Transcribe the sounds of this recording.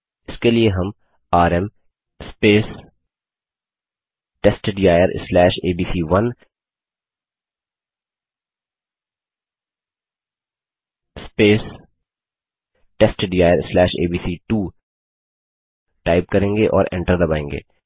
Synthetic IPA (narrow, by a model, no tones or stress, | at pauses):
ɪskelieɦɐm | aːɾɛm | speːs | ʈeːsʈɖijaːjəɾslɛːʃeːbiːsiʋɐn | speːs | ʈeːsʈɖijaːjəɾɪslɛːʃḛːbiːsiːʈuː | ʈaːɪp̚kɐɾẽːŋɡeʔɔ̰ːɾʔɛ̰̃ɳʈəɾd̪ɐbaːẽːŋɡḛː